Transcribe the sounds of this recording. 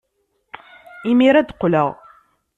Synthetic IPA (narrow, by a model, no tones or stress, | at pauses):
imiɾæd̪qːləʁ